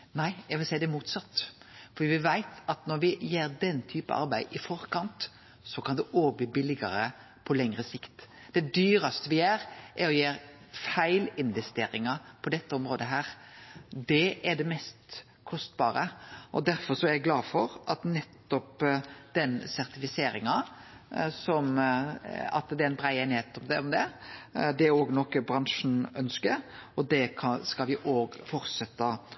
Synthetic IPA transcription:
næɪɛɡʋɪlsæɪd̪ɛmuːt̪sɑt̪ː | fɔɾd̪iːʋɪʋæɪt̪ɑt̪nɔɾʋɪjeːɾd̪ɛnt̪ʰyːpə̰ʔɑ̰ɾbæɪʔɪfɔɾkɑnt̪ | sɔkʰɑnd̪ɛʔoːbəbɪlːɪɡɑɾə | pʰɔlɛŋɾəsɪkt̪ | d̪̥ɛd̪yːɾɑst̪əʋɪjæːɾʔɛɾɔjeːɾfæɪlɪnʋɛst̪ḛːɾɪŋɑpʰɔd̪ɛt̪ːəɔmɾoːd̪əɦæːɾ | d̪ɛʔæɖ̪ɛmɛst̪ | kʰɔst̪̚bɑːɾəʔɔd̪æɾfɔɾʂɔæɾɡlɑːfɔɾʔɑt̪nɛt̪ːɔpd̪̥ɛnsæɾt̪ɪfɪseːɾɪŋɑ | sɔm | ɑ̰t̪d̪ɛænbɾæɪɛnheːt̪ɔmd̪ɛɔmd̪ɛd̪ɛæɾoːɡnɔkːəbɾɑnʂn̩œnskəɾɔd̪ɛkʰɑskɑlʋɪʔoːɡfɔɾsɛt̪ːɑ

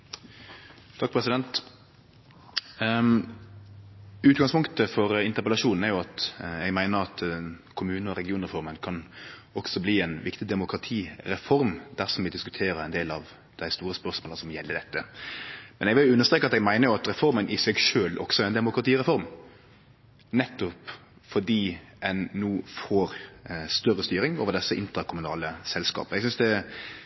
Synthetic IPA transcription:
t̪ʰɑk̚pʰɾɛsɪd̪ɛnt̪ | ʉːt̪ɡɑŋspʰʊŋkt̪əfɔɾɪnt̪əɾpɛlɑʃuːnn̩æɾjʊɑt̪ɛɡmæɪnəɾɑt̪kʰʊmʉːnəɔɾɛɡɪuːnɾɛfɔɾmənkʰɑnɔksɔbliːɛnʋɪkt̪ɪd̪ɛmʊkɾɑt̪ʰiːɾɛfɔɾmd̪̥æɾsɔmʋɪd̪ɪskʉt̪ʰeːɾəɾæɪnd̪eːlɑʋ | d̪̥æɪst̪uːɾəsmpœɾsmoːləsɔmjɛlːəd̪ɛt̪ːə | mɛnɛɡʋɪljʊʉnːəst̪ɾeːkɑt̪ɛɡmæɪnəjʊɑt̪ɾɛfɔɾmənʔɪsɛɡʂøːlʔɔ̰ksɔæɾɛnd̪ɛmʊkɾɑt̪iːɾɛfɔɾm | nɛt̪ːɔp | fɔɖiːʔɛnːuːfoːɾst̪œrːəst̪yːɾɪŋoːʋəd̪ɛsːəɪnt̪ɾɑkʰʊmʉnɑ̰ːləsɛlskɑ̰ːpəɛɡsʏnsd̪ɛ

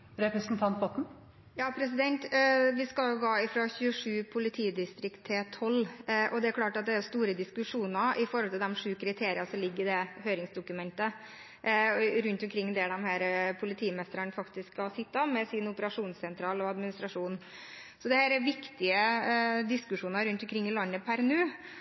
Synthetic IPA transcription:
ɾɛpɾɛsn̩t̪ʰɑnt̪̚bɔt̪n̩ | jɑːpʰɾɛs̬ɪd̪ɛnt̪ʋɪskɑljʊɡɑːɪfɾɑɕʉːəʂʉːpʰʊlɪt̪ʰiːd̪ɪst̪ɾɪkt̪ʰːɪlt̪ʰɔlːʔɔd̪ɛæɾklɑːʈɑt̪̚d̪ɛæɾjʊst̪uːɾəd̪ɪskʉʂuːnɑʔɪfɔɾɔlt̪ɪld̪ɛmʂʉːkʰɾɪt̪ʰeːɾɪɑsɔmlɪɡːɾɪd̪ɛhøːɾɪŋsd̪ʊkʉmɛnt̪ə | ɾʉnt̪ʊmkʰɾɪŋːd̪ɛd̪ɛmhæːɾpʰʊlɪt̪ʰiːmɛst̪əɾənfɑkt̪ɪskːɑlsɪt̪ːɑmɛsɪnʊpəɾɑʂuːnssɛnt̪ʰɾɑːlɔɑd̪mɪnɪst̪ɾɑʂuːn | sɔd̪ɛhæːɾæɾʋɪkt̪ɪəd̪ɪskʉʂuːnɑɾʉnt̪ʊmkʰɾɪŋːɪlɑnːəpʰæɾɛnʉː

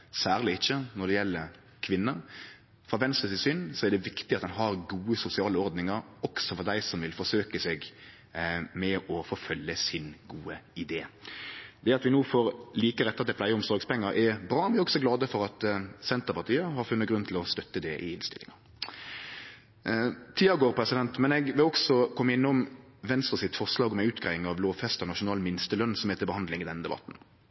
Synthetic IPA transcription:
sæːʁlɪɪçːənɔd̪ɛjɛlːəɾ | kʰʋɪnːə | fɾɑʋɛnst̪ɾəsɪsʏnsɔæɾd̪ɛʋɪkt̪ɪɑt̪d̪ɛnɦɑɾɡuːəsʊsɪɑːləɔɾd̪nɪŋəɾɔksɔfɔɾd̪æɪsɔmʋɪlfɔʂøːkəsɛɡ | mɛʔɔfɔɾfœljəsɪnɡuːəɪd̪eː | d̪ɛæɑt̪ʋɪnuːfɔɾliːkəɾɛt̪ːɑt̪d̪ɪplæɪəɾʊmsɔɾɡspɛŋːəɾʔɛɾbɾɑːʋɪæɾɔɡsɔɡlɑːd̪əfɔɾɑt̪sɛnt̪əpɑʁt̪iːəɦɑɾfʉnːəɡʁʉnt̪ʰɪlɔst̪œt̪ːəd̪ɛʔɪɪnst̪ɪlɪ̰ŋɑ | t̪ʰiːɑɡoːʁpʰɾɛsɪd̪ɛnt̪mɛnɛɡʋɪlɔɡsɔkʰɔmːəɪnːʊm | ʋɛnst̪ʁəsɪt̪fɔʁʂlɑːɡɔmæɪʉːt̪ɡæɪɪŋɑʋloːʋfɛst̪ənɑʂʊnɑːlmɪnst̪əlœnːsɔmheːt̪əbəhɑnd̪lɪŋɪd̪ɛnəd̪ɛbɑ̰t̪n̩

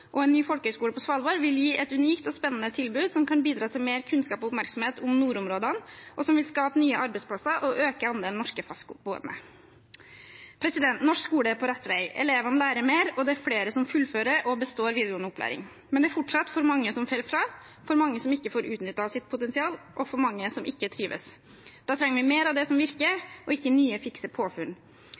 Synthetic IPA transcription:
ʔɔɛnnːyːfɔlkəhœskuːləpɔsʋɑlʋoːɾʋɪljiːʔɛt̪ʉniːkt̪ɔspɛnːən̩ət̪ʰɪlbʉːd̪sɔmkʰɑnbiːd̪ɾɑːt̪ʰɪlmeːɾkʰʉnskɑːpɔʊpmæɾksɔmheːt̪ʊmnuːɾʊmɾoːd̪ɑnʔɔsɔmʋɪlskɑːpənyːəʔɑɾbɛɪtspʰlɑsəɾʔɔʔøːkəɑnd̪eːlnɔʂkəfɑskbuːɛ̰nə̰ | pʰɾɛsɪd̪ɛnt̪nɔʂkskuːləɛpʰɔɾɛt̪ːʋæɪɛ̰leːʋɑnəlæːɾəmeːɾɔd̪ɛæɾfleːɾəsɔmfʉlːføːɾəɾɔbəst̪oːɾʋiːd̪ɪʊnʊpʰlæ̰ːɾɪ̰ŋ | mɛnd̪ɛæɾfɔʈʂɑt̪fɔɾmɑŋːəsɔmfɛlfɾɑː | fɔɾmɑŋːəsɔmɪkːəfoːɾʉːt̪nʏt̪ːɑsɪt̪̚pʰʊt̪ɛnsɪɑːlʔɔfɔɾmɑŋːəsɔmʔɪkːət̪ʰɾiːʋə̰s | d̪̥ɑːt̪ʰɾɛŋːəɾʋɪmeːɾɑʋd̪ɛsɔmʋɪɾkəɾʔɔɪkːənyːəfɪksəpʰoːfʉn

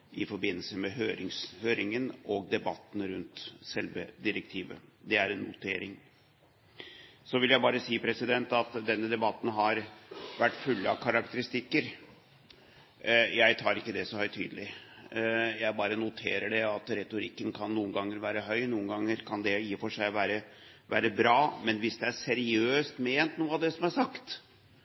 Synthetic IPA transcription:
ʔɪfɔɾbɪnːəlsəmɛɦøːɾɪŋshøːɾɪŋənʔɔɡ̚d̪ɛbɑt̪ːn̩ɾʉnt̪sɛlʋə̰d̪ɪɾɛk̚t̪ʰiːʋə̰d̪ɛæɾɛnːʊt̪ʰḛːɾɪŋ | sɔʋɪljæɪbɑːɾəsiːpʰɾɛsɪd̪ɛnt̪ɑt̪d̪ɛnːəd̪ɛbɑt̪ːn̩ɦɑɾʋæʈːfʉlːəɑʋkʰɑɾɑkt̪əɾɪst̪ɪkːəɾ | jæɪt̪ʰɑːɾɪkːəd̪ɛsɔhœʏt̪ʰyːd̪əlɪ | jæɪbɑːɾənʊt̪ʰḛːɾəɖɛɑt̪ɾɛt̪ʊɾɪkːənkʰɑnːuːənɡɑŋːəɾʋæːɾəɦœʏnuːənɡɑŋːəɾkʰɑnd̪ɛjiːfɔʂæɪʋæːɾə | ʋæ̰ːɾəbɾɑːmɛnʋɪsd̪ɛæɾsɛɾɪøːst̪meːnt̪nuːəɑd̪ɛsɔmæʂɑkt̪

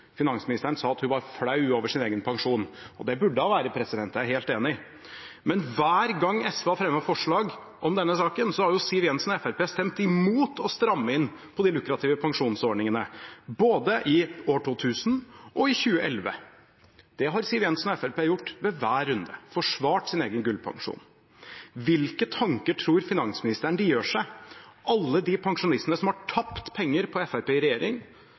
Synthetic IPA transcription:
fɪnɑnsmɪnɪst̪æɾəɳ̩sɑːɑt̪hʉnʋɑɾfɽɑʉoːʋəʂɪneːɡənpʰɑŋʂuːnɔd̪ɛbʉɖːəhɑʋæːɾəpʰɾɛsɪd̪ɛnt̪æɦeːlt̪eːnɪ | mɛnʋæːɾɡɑŋːɛsʋɑfɾɛmːəɑfɔʂɭɑːɡ | ʔɔmd̪ɛnːəsɑːkənsɔhɑɾjʊsiʋɪɛnsnɔɛfæɾpeːst̪ɛmt̪ɪmuːt̪ʰɔst̪ɾɑmːəɪnːpʰɔd̪ɪlʉkɾɑt̪ʰiːʋəpʰɑŋʂuːnsɔɖɳɪŋənəboːd̪əʔɪoːʈʰuːt̪ʰʉːsn̩ʔɔɪçʉːəʔɛlʋə̰ | d̪̥ɛɦɑɾsɪʋɪɛnsnɔɛfæɾpeːjʊʈːʋɛʋæːɾʉnd̪əfɔʂʋɑːʈsɪneːɡənɡʉlpʰɑ̰ŋʂṵːn | ʋɪlkət̪ʰɑŋkəʈʰɾuːɾfɪnɑŋsmɪnɪst̪əɳəd̪ɪjøːʂæɪʔɑlːəd̪ɪpʰɑŋʂʊnɪst̪ənəsɔmhɑʈʰɑpt̪pʰɛŋːəɾpʰɔɛfæɾpeːɾɛjeːɾɪŋ

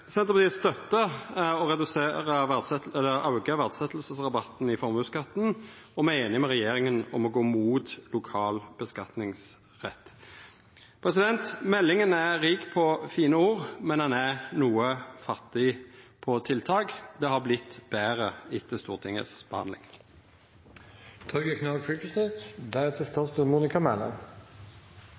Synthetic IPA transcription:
sɛnt̪əpɑt̪iːst̪œt̪ːəɔɾɛd̪ʉseːɾəʋæd̪sɛt̪ɛlːəɾɑʊɡəʋæʁd̪sɛt̪ːl̩səsʁɑbɑt̪n̩ɪfɔɾmʉskɑt̪n̩ | ɔmæeːnɪmɛʁɛjeːɾɪŋənɔ̰mɔɡoːmuːt̪lʊkʰɑːlb̥əskɑt̪nɪŋs | ʁɛt̪ː | pʰɾɛsɪd̪ɛnt̪mɛlːɪŋənæɾiːkpʰɔfiːnəuːʁmɛnhɑnæʁnuːəfɑt̪ːɪpʰɔt̪ʰɪlt̪ʰɑːɡd̪ɛhɑʁblɪt̪ːb̥æːʁəɪt̪ːəst̪uːʁt̪ʰɪŋə̰sb̥əhɑnlɪ̰ŋ | t̪ʰɔɾɡəkʰnɑːkʰɹik̪əst̪eɪt̪d̪æɛt̪ʰɛst̪ʰɑst̪umuːnɪkɑmælə̰n

